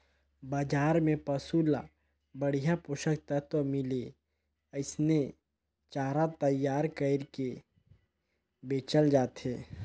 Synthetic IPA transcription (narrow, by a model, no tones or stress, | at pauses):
baːd͡ʒaːɾmẽpəsula̰ | bəɽ̤ijapoʃək̚t̪ət̪wəmɪle | əɪsne | t͡ʃaːɾat̪əjaːɾkəɾke | beːt͡ʃəld͡ʒaːt̪eː